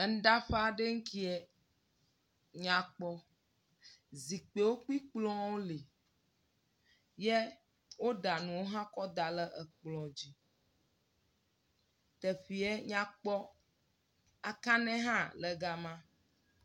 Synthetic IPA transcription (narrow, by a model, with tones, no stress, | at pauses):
n̩˦d̪a˦ɸa˦˨ɖe˦ŋ̩˦ki˦ɛ˦ | ɲã˨k͡pɔ˦ | zi˨k͡pe˨wo˦k͡pi˦k͡plɔ̃˦wo˦li˨ | je˦ | wo˦d̪a˨nũ˨wo˦ɦã˦kɔ˦d̪a˨lə˦ʔɛ˨k͡plɔ˨d͡ʑi˦ | t̪e˨ɸi˨ɛ˦ɲã˦k͡pɔ˦ | a˨kã˦nɛ̃˦ɦã˦lə˨ɡa˨mã˦